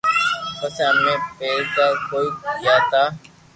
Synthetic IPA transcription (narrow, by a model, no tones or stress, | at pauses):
pəsãːmẽːpeːɾkaːkoːiːkjaːt̪aː